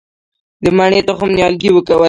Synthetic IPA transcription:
d̪əmaɳet̪axʊmnjɑlɡiwəkawə

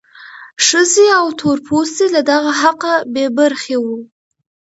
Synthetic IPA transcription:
ʂəzeawt̪ʰoɾpʰost̪elad̪aɣaɦaqabebaɾxewu

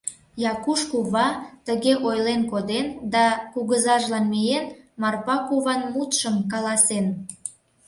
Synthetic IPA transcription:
jɑkuʃkuβɑt̪əɣeʔojlenkod̪end̪ɑkuɣəzɑʒlɑnmijenmɑrpɑkuβɑnmut̪ʃəmkɑlɑsen

